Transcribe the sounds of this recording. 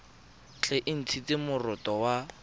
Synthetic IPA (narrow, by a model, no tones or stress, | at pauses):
t͡ɬʰʼɪʔɪn̩t͡sʰit͡sɪmʊrʊtʼɔwa